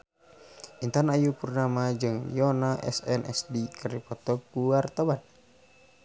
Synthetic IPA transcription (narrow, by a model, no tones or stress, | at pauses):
ʔint̪anajupurnamad͡ʒɨŋjɔnaʔɛ̰sɛnʔɛ̰sdikərdipɔt̪ɔkuwart̪awan